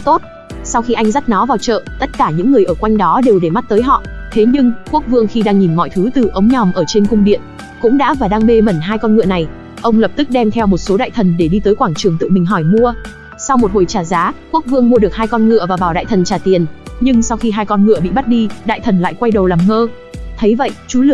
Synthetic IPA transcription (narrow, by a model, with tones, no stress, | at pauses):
t̪o˦˥t̚ | sa˧wxi˧ʔa˧jŋ̟za˦˥t̚nɔ˨˦vaː˨˩wt͡ɕə̰ː˧˨t̪ə˦˥t̚kaː˧˩ɲɨ̰˧˥ŋːɨ˨˩əjʔəː˧˩kwa˧jŋ̟ɗɔ˨˦ɗe˨˩wɗe˧˩ma˦˥t̚t̪əː˨˦jɦɔ̰˧˨t̪ʰe˨˦ɲɨ˧ŋku˦˥ək̚vɨ˧əŋxi˧ɗaː˧ŋɲi˨˩mŋɔ̰˧˨jt̪ʰɨ˨˦t̪ɨ˨˩ʔə˨˦wŋ͡mɲɔ˨˩wŋ͡mʔəː˧˩t͡ɕe˧nkʊ˧ŋ͡mɗḭ˧˨ən | kʊ̰˧˥ŋ͡mɗa̰ː˧˥vaː˨˩ɗaː˧ŋɓe˧mə˧˩nɦaː˧jkɔ˧nŋɨ̰˧˨əna˨˩j | ʔə˧wŋ͡mlə˨˩p̚t̪ɨ˦˥k̚ɗɛ˧mt̪ʰɛ˧wmo˨˩t̚so˨˦ɗa̰ː˧˨jt̪ʰə˨˩nɗe˧˩ɗi˧t̪əː˨˦jkwaː˧˩ŋt͡ɕɨ˨˧˩əŋt̪ɨ̰˧˨mï˨˩ŋ̟ɦɔ˧˩jmu˧ə | sa˧wmo˨˩t̚ho˨˩jt͡ɕaː˨˩zaː˨˦ku˦˥ək̚vɨ˧əŋmu˧əɗɨ˨˩ək̚hɦaː˧jkɔ˧nŋɨ̰˧əvaː˨˩vaː˨˩wɗa̰ː˧˨jt̪ʰə˨˩nt͡ɕaː˨˩t̪i˨˩ənɲɨ˧ŋsa˧wxi˧ɦaː˧jkɔ˧nŋɨ̰˧əɓḭ˧˨ɓa˦˥t̚ɗi˧ɗa̰ː˧˨jt̪ʰə˨˩nla̰ː˧˨jkwa˧jɗə˨˩wlaː˨˩mŋəː˧ | t̪ʰə˨˦jvə̰˧˨jʔt͡ɕu˨˦lɨ˨ə